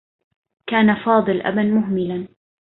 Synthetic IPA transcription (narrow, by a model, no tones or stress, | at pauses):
kaːnafɑːd̪ˤɨlʔa̰banmʊɦmɪlan